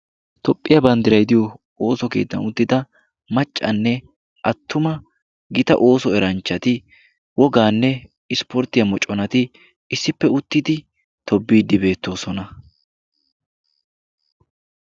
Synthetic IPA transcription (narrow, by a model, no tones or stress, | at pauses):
t̪ɔpʼːɪjɐbɐnd̪ɪɾɐjd̪ɪjɔ | oːsɔke̞ːt̪ːɐnʊt̪ːɪd̪ɐ | mɐt͡ʃʼːɐ̰nːɛ | ʔɐt̪ːʊmɐ | ɡɪt̪ɐ̰ʔo̞ːsɔɛɾɐnt͡ʃːɐt̪ɪ | wɔɡaːnːɛ | ɪspɔɾt̪ɪjɐmɔt͡ʃʼːɔnɐt̪ɪ | ɪsːɪpːɛʊt̪ːɪd̪ɪ | t̪ʰɔbːiːd̪ːɪbe̞ːt̪ːo̞ːsɔnɐ